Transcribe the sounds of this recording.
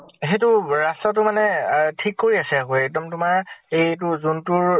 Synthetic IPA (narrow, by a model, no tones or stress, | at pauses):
eɦetʊɹastatʊmanɛtʰikːoɹiasɛakoɛk̚dɔmtʊmaɹejt̬ʊzuntʊɹ